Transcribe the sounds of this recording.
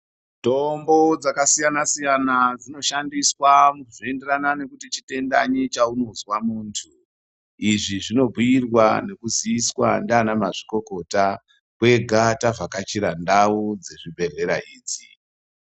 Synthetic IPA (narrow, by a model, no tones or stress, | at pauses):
to̞mbo̞d͡zakasijanasijanad͡zino̞ʃandiswamukuʐie̞nde̞ranane̞kutit͡ʃite̞ndaɲit͡ʃauno̞zwamuːntʰu | iʐiʐino̞bʱuirwane̞kuziiswandaːnamaʐiko̞ko̞ta | kwe̞ɡʱatavakat͡ʃiɾandaud͡ze̞ʐibʱe̞ɮe̞ɾaiːd͡zi